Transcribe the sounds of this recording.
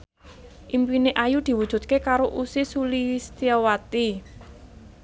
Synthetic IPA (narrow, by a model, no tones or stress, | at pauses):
ʔimpineʔajud̪̥i̤wud̥ʒ̥ṳt̪̚kekaɾoʔusisulist̪iawat̪i